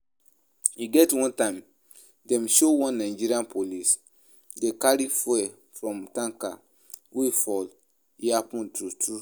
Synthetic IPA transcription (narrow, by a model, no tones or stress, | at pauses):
iɡɛtwɔ̃ntãɪ̃m | dɛ̃mʃowɔ̃nːaɪd͡ʒiɾiãnpʰolis | dekaɾifɛ | fɹɔ̃mtãŋka | wifɔl | iapɔ̃ntɾutʰu